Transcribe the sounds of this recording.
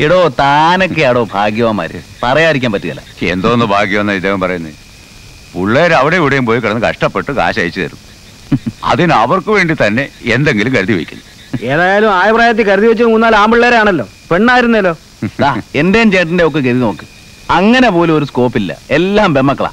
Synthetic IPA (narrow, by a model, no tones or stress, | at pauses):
iɽoːt̪aːnokːeaːɽo̞ːbʱaːɡjɐʋɐma̰ːɾɨpɐrɐjaːɾikʲːaːmpɐtːiðɐ̰lːɐ̰ḛnd̪oːnːɨbʱaːɡjɐʋɐnːɐid̪ːeːɣɐmpɐrɐjunːɐ̰ | puɭːeːɾɐʋiɽeuɽejumpoːjikiɐɽɐnːɨkɐ̰ʂʈɐpːe̞ʈːɨka̰ːɕɐɐjit͡ɕːɨt̪ɐ̰ɾunːu | ɐ̰ðinɐʋɐrkɨʋe̞ːɳɖit̪ɐnːe̞end̪eŋɡilumkɐɾuðiʋḛkʲːṵnːu | eːðaːjaːlumaːjɐpraːjɐt̪̬ːikɐɾuðiʋet͡ɕːɨnmuːnːaːlaːmbuɭːeːɾeaːɳɐlːo̞ː | peɳːaːjiɾunːuɐlːo̞ː | d̪aːe̞ndejɐmt͡ɕe̞ːɳʈːindeokːek̬eðino̞ːkːɨ | ɐŋːɐne̞po̞ːluoɾusko̞ːpːilːɐ̰e̞lːaːmbʱe̞mːɐkːɐɭa̰ː